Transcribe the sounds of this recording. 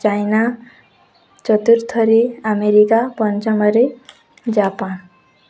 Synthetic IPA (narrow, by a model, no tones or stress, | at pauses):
t͡ʃajna | t͡ʃɔt̪uɾt̪ʰːɔɾeameɾikapɔnt͡ʃɔmʌɾe | d͡ʒapan